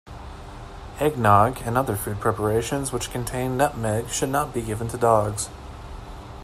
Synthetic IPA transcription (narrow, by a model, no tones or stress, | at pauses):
ɛɡ̚nɑɡɨ̃nʌðə˞fʉd̚pʰɹ̥ɛpə˞eɪʃɨ̃nzwət͡ʃkʰɨ̃n̩tʰẽɪ̃nːʌp̚mɛɡʃɨdⁿnət̚b̥iɡɪvə̃n̩tʰɨdɔɡz̥